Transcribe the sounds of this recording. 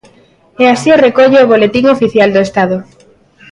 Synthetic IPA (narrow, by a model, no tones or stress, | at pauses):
ɛasiorekoʎeoβolet̪iŋofiθjald̪oest̪aðʊ